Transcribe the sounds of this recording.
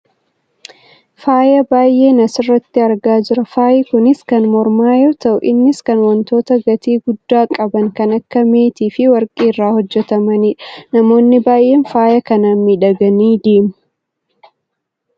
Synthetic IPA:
faːjɐbaːjʔe̞ːnɐsɪrːɐt̪ːɪɐɾɡaːd͡ʒɪɾɐfaːjɪkʊnɪskɐnmɔɾmaːjoːt̪ɐʔʊʔɪnːɪskɐnwɐnt̪o̞ːt̪ɐɡɐt̪iːɡʊd̪ːaːkʼɐbɐŋkɐnɐkːɐmeːt̪iːfɪwɐɾkʼiːrːaːhɔd͡ʒːɛt̪ɐmɐniːᶑɐnɐmo̞ːnːɪbaːjʔe̞ːnfaːjɐkɐnaːnmiᶑɐɡɐniːd̪eːmʊ̥

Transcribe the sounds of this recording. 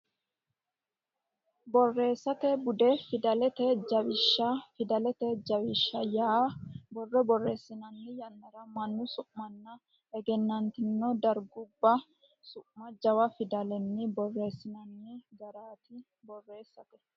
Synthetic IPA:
bɔrːe̞ːsːɐt̪ɛbʊd̪ɛfɪd̪ɐlɛt̪ɛd͡ʒɐbɪʃːɐfɪd̪ɐlɛt̪ɛd͡ʒɐwɪʃːɐjaːbɔrːɔbɔrːeːsːɪnɐnːɪjɐnːɐɾɐmɐnːʊsʊʔmɐnːɐ | ɛɡɛnːɐnt̪ɪnːɔd̪ɐɾɡʊbːɐ | sʊʔmɐd͡ʒɐwɐfɪd̪ɐlɛnːɪbɔrːe̞ːsːɪnɐnːɪɡɐɾaːt̪ɪ | bɔrːe̞ːsːɐt̪ɛ

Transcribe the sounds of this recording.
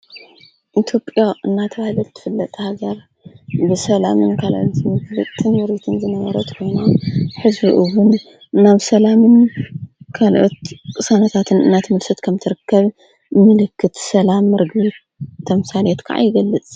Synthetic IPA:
ʔit̪ʰjo̞pʼjaʔɨnːat̪ʰɐβahilɐlt̪ʰɨ̥fɨlːɐt̪ʼhaɡɐɾ | bɨsɐlamɨnkʰalʔot̪zɨmɨɡlɨt̪ʼʰːɨnmɨɾit̪ʰɨnzɨnɐβɐɾɐt̪kʰo̞jnaħɨzbiʔɨwunː | aβsɐlamɨn | kʰalʔot̪kʼɨsanɐt̪ʰat̪ʰɨnɨ̰nːat̪ʰɨmɨlsɐt̪kʰɐmt̪ʰɨɾɨkːɐβ | mɨlɨkːɨt̪sɐlamːɨɾɨɡβi | t̪ʰːɐmsalet̪kʰa̰ʕa̰jɪɡɐlːɨt͡sʼ

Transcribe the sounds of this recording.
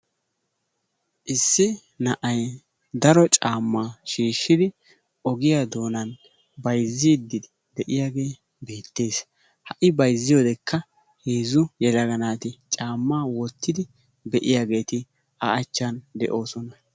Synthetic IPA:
ʔɪsːɪ | nɐʔɐj | d̪ɐɾɔt͡ʃʼaːmːaːʃiːʃːɪd̪ɪ | ʔɔɡɪjad̪o̞ːnɐn | bɐjzːɪd̪ːɪd̪ɪ | d̪ɛʔɪjaːɡe̞ː | be̞ːt̪ːe̞ːs | hɐʔɪbɐjzːɪjoːd̪ɛkʰːɐ | heːzʊjɛlɐɡɐnaːt̪ɪt͡ʃʼaːmːaːwɔt̪ːɪd̪ɪ | bɛʔɪjaːɡe̞ːt̪ɪ | aʔɐt͡ʃːɐnd̪ɛ̰ʔo̞ːsɔnɐ

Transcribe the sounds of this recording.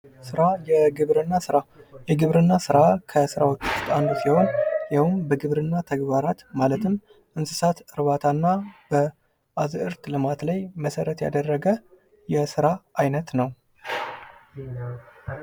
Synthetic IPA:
sɨɾajɛɡɨβɾɨnːasɨɾajɛɡɨβɾɨnːasɨɾakʰəsɨɾawot͡ʃːuwʊst̪ʼand̪usiho̞njawʊmbəɡɨβɾɨnːat̪ʰəɡbaɾat̪malət̪ʰɨm | ʔɨnsɨ̥sat̪ɨɾβat̪ʰanːab̥ə | ʔazʔɨɾt̪lɨmat̪lajməsəɾət̪ja̰d̪ərːəɡə | jɛsɨɾaʔajnət̪nəw

